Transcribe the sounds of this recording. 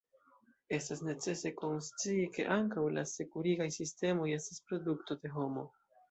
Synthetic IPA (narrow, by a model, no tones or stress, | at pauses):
e̞stasne̞t͡se̞se̞ko̞nst͡siːke̞̰ʔaŋkawlase̞kuɾiɡajsiste̞mo̞je̞staspɾo̞dukto̞de̞ɦo̞mo̞